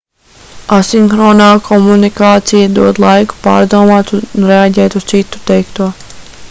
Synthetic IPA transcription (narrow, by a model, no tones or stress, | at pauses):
asiŋxɾɔːnaːkʰɔmunikaːt̪sijad̪uɔd̪lˠajku̥pa̰ːɾd̪uɔmaːt̪unɾeaɟɛːt̪ust̪sit̪u̥t̪ɛjkt̪uɔ